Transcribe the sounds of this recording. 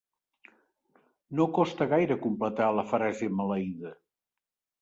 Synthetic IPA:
nokɔst̪əɣajɾəkumplət̪aləfəɾɛzemələiðə

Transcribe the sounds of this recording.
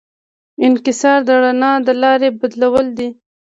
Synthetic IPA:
ɪnkɪsɑɾd̪əɽanɑd̪əlɑɾebad̪lawəld̪i

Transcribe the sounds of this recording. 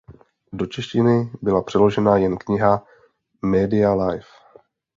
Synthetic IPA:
do̞t͡ʃɛʃcɪnɪbɪlapr̥ɛlo̞ʒɛnajɛnkɲɪɦa | mɛːdɪalajf

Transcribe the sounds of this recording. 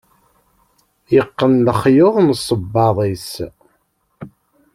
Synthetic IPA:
jəqːənləχjoðˤnsˤːəbːɑðˤis

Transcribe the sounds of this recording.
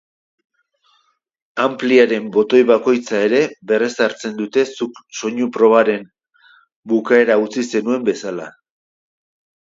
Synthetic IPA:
ampliaɾe̞mbo̞t̪o̞jβako̞jt͡sae̞ɾe̞βe̞re̞saɾt͡se̞nd̪ut̪e̞sukso̞ɲupɾo̞βaɾe̞m | bukae̞ɾaut͡sise̞nue̞mbe̞sala̰

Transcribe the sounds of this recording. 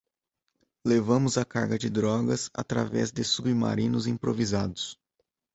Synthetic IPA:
levɐ̃mʊzɐka̰ɾɡɐd͡ʒɪd̪ɾɔɡɐsa̰t̪ɾavɛ̰zd̪ɪsubima̰ɾĩnʊzĩpɾovizad̪ʊs

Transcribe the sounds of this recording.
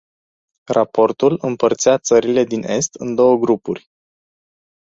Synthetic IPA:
rapo̞rt̪ulɨmpərt̪sijat̪səɾile̞d̪ine̞st̪ɨnd̪o̞wəɡɾupurʲ

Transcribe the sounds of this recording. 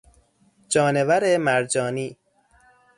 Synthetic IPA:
d͡ʒɒːnevæɾemæɾd͡ʒɒːniː

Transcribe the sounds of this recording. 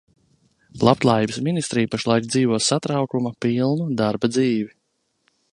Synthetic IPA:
lˠap̚t̪lˠaːjiːbəsminist̪ɾiːjpaʃlˠajk̚d̪ziːvuɔsat̪ɾawkumapilˠnud̪aɾbad̪ziːvi

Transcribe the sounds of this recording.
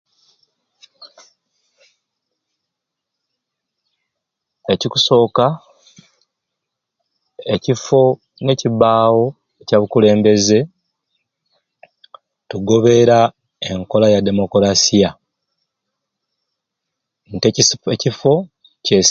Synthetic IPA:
e̞cikuso̞ːka | ecifo̞ | ne̞ːciβaːwo̞ | ecaβukule̞ːmbe̞ze̞ | tuɡo̞βe̞ɾa | e̞ŋko̞lajade̞mo̞koɾasija | ntecifo̞ | ce̞s

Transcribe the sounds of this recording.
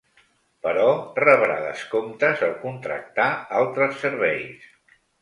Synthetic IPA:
pəɾɔrəβɾa̰ðə̰skomt̪əzəlkunt̪ɾə̰k̚t̪aalˠt̪ɾəsːəɾβɛjs

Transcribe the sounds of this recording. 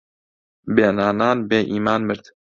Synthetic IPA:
beːnaːnaːnbeːʔiːmaːnmɨɾd̪

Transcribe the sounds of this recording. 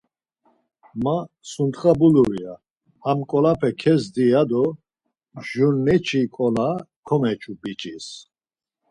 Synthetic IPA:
ma | sunt̪χabuluɾia | amkʼɔlapʰɛkʰɛzd̪iad̪ɔ | ʒunːɛt͡ʃʰikʼɔlakʰɔmɛt͡ʃʰʼubit͡ʃʼis

